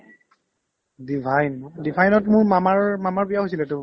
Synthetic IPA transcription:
dibʱajndibʱajnɔtmʊɹmamaɹmamaɹpijaɦojsilɛtʊ

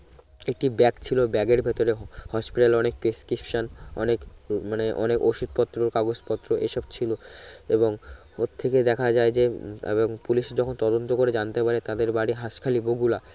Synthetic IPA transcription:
ek̚ʈibɛkt͡ɕʰilobɛɡeɾbʱet̪oɾehɔʃpiʈaleɔnek̚peskɾipʃanɔ̰nekmaneʔɔ̰nekoʃud̪̚pɔt̪ːɾokaɡod͡ʑpɔt̪ːɾoʔḛʃɔbt͡ɕʰiloeboŋ | ot̪ʰːeked̪ɛkʰad͡ʑaed͡ʑeḛboŋpuliʃd͡ʑɔkʰont̪ɔd̪ont̪okoɾed͡ʑant̪epaɾet̪ad̪eɾbaɽiɦaʃkʰaliboɡula

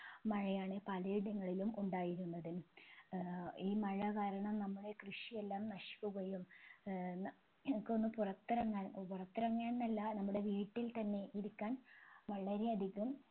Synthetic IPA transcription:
mɐɻɐjaːɳɨpɐlɐjiɽɐŋːɐɭilumuɳɖaːjiɾunːɐðɨ | iːmɐɻɐɣaːɾɐɳɐmnɐmːɐɭekrɨʂije̞lːaːmnɐʂi̥kʲːuɣojum | nɐ | mukːo̞nːɨpurɐt̪ːirɐŋːaːnpurɐt̪ːirɐŋːaːnnɐlːɐnɐmːuɽe̞ʋiːʈːilt̪ɐnːe̞ʔiɾukʲːaːnʋɐɭɐɾeɐd̪ʱiɣːum

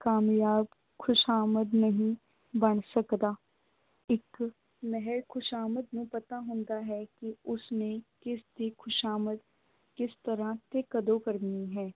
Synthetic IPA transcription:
kaːmjaːb | xʰʊʃaːməd̪nɐɦĩ | bɐɳ̃sɐkd̪aː | ɪk | mɛɦɛɾkʊʃaːməd̪mẽpɐt̪aɦʊ̃ːnd̪aɦɛkiʊsnekɪst̪ikʰʊʃaːməd̪̚ | kɪst̪ɐɾãt̪ekəd̪okɐɾniɦɛ̃ː

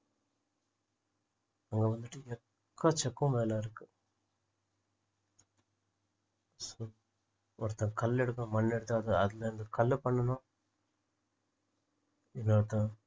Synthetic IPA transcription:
ɐŋɡeːʋɐnd̪ɯʈːɯɛkː | ɐt͡ʃɛkːũmʋeːlaːɪɾɯkːɯ̥ | so | ɔɾɯt̪ɐ̃ːkɐlːɛɽɯkːɐɐ̃mɐnːɛɽɯt̪ːɯɐðɯɐðɪlɐɐnd̪ɐkɐlːpɐɳːɐnãː | ɪnːoːɾɐt̪ãː

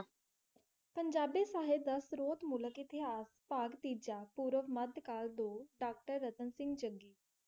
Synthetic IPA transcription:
pəɲd͡ʒaːbiːsaːɦed̪əsɾoːt̪mʊləkɪt̪ɪɦaːspaːɡt̪iːd͡ʒaːpuːɾəʋməd̪kaːld̪oːɖaːk̚ʈəɾːət̪ənsɪ̃ŋɡt͡ʃəŋɡiː

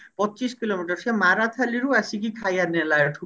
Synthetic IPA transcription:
pɔːt͡ɕiʃkilomiʈaɾʃemaɾat̪ʰaliɾuasikikʰajanelaeɾʈʰu

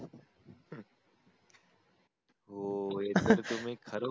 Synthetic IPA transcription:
oːeːt̪əɾt̪ʊmẽkʰəɾoː

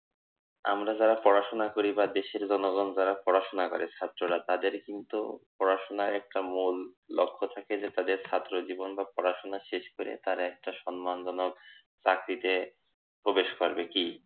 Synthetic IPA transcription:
a̰mɾad͡ʑaɾapɔɾaʃonakoɾibad̪eʃeɾd͡ʑɔnoɡɔnd͡ʑaɾapɔɾaʃonakoɾet͡ɕʰat̪ːɾoɾat̪ad̪eɾkint̪ṵpɔɾaʃonaɾɛk̚ʈamulːo̰kʰːot̪ʰaked͡ʑet̪ad̪eɾt͡ɕʰat̪ːɾod͡ʑibonbapɔɾaʃonaʃeʃkoɾḛt̪aɾaɛk̚ʈaʃɔnmand͡ʑɔnok | t͡ɕakɾit̪e | pɾobeʃkoɾbeki

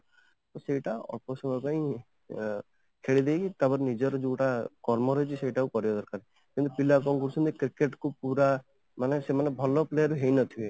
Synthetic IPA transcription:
t̪oseiʈaɔ̰pɔsɔŋɔɾpaĩ | kʰeɭid̪ejit̪apɔɾenid͡ʒɔɾɔd͡ʒuʈakɔɾmɔɾɔjt͡ʃʰiseiʈakukɔɾibɔd̪ɔɾkaɾe | kint̪upilakɔŋkɔɾusʰunt̪ikɾikeʈkupuɾa | manesemanebʱɔlɔpleɾɦejnɔt̪ʰie

